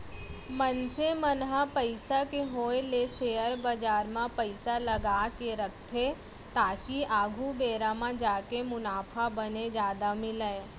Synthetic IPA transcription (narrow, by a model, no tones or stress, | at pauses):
mənsemənɦapəɪsakeɦoːeleseːəɾbəd͡ʒaːɾmãpəɪsalɐɡaːkeɾɐkʰt̪ʰe | t̪aːkiaːɡʱubeːɾamãd͡ʒaːkemʊnaːpʰabəned͡ʒjaːd̪amɪləː